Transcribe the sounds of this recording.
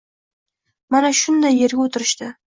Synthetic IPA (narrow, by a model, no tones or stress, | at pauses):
manɑʃʊnd̪ajːeɾɡʲɪwot̪ʰɪɾɪʃt̪ɪ